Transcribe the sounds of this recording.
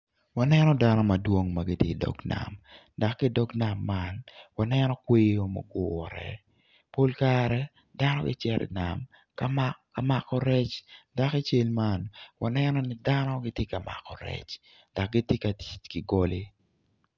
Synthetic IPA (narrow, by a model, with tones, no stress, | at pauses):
wa˨nɛ˦nɔda˦nɔ˦ma˨dwo˦ŋma˨ɡɪ˦tje˦dɔ̰˨ɡna̰˨m | da˨kːɪ˦dɔ˦ɡna˨mːanwa˨nɛnɔ˦kwe˦jo˦mo̰˨ɡʊɾɛ̰˨ | po˦lkaɾɛ˦ | da˦nɔ˦ɡɪ̰˦t͡ʃɛɾʔɪ̰˨na̰˨m | ka˦maa˨makɔ˦ɾɛ˦t͡ʃda˨ki˦t͡ʃe˦lma˦nwa˨nɛnɔ˦nɪ˦danɔ˦ɡɪ˦tje˦ka˨ma̰˨kɔ˨ɾɛ̰˦t͡ʃ | d̥a˨k̚ɡɪ˦tje˦ka˨ti̥˨tkɪ˨ɡo˦lɪ˦